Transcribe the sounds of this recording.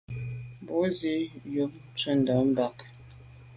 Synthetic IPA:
bo˨˦zi˦jo˨˦m̚t͡sə˦˨n̩˨də˨˦m̩˦ba˦˨k

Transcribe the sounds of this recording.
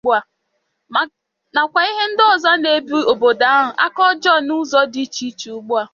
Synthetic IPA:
a˨ | na˨kʷa˨i˦ɦe˦n̩˦dɔ˨za˦ne˨bi˦o˨bo˨da˨a˦ɦʊ˨ʔa̰˦kɔ˦d͡ʒɔ˦˨nu˦zɔ˦di˦t͡ʃi˦t͡ʃi˨u˦ɡ͡bʊ˦a˨

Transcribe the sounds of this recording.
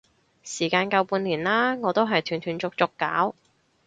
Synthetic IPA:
siː˨˩kaː˧nkɐ˧wpuː˧nliː˨˩nlaː˥ŋɔː˨˧t̪o˥wɦɐ˨jt̪ʰyː˨˩nt̪ʰyː˨˩nt͡sʊ˨k̚t͡sʊ˨kːaː˨˥w

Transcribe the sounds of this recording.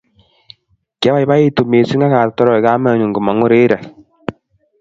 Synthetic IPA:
ka˦βa˦i˦βa˦e˦to˨me˨si˦ŋa˦ɣa˨tɔ˦ɾɔ˨e˨ɣa˦ma˦˨ɲo˨ŋɡo˨ma˨ŋo˦ɾe˦ɾa˨

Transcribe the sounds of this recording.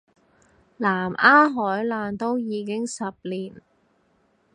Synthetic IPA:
laː˨˩mʔaː˥ɦɔː˨˥jlaː˨nt̪o˥wjiː˨˥kɪ˥ŋsɐ˨p̚liː˨˩n

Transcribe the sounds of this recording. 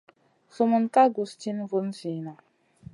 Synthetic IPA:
su˦mu˦nta˦ɡu˨st͡ʃi˦n˦vu˦n˦si˨na˨

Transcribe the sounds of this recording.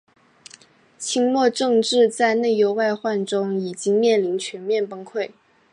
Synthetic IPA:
t͡ɕʰi˥ŋlwɔ˥˧ʈ͡ʂɤ˥˧ŋʈ͡ʂɻ̩˥˧t͡sa˥˧ɪne˥˩ɪjo˧˥ʊwa˥˧ɪxwa˥˩nʈ͡ʂʊ˥ŋi˨˩t͡ɕi˥ŋmjɛ˥˩nli˧˥nt͡ɕʰɥɛ˧˥nmjɛ˥˩npə˥nkʰwe˥˩ɪ

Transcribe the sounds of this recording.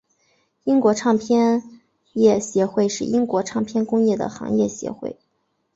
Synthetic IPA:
i˥ŋkwɔ˧˥ʈ͡ʂʰɑ˥˧ŋpʰjɛ˥n | jɛ˥˩ɕjɛ˧˥xwe˥˧ɪʂɻ̩˥˩ʔi˥ŋkwɔ˧˥ʈ͡ʂʰɑ˥˩ŋpʰjɛ˥nkʊ˥ŋjɛ˥˩d̪ə̰˩xɑ̰˧˥ŋjɛ̰˥˩ɕjɛ̰˧˥xwḛ˥˩ɪ

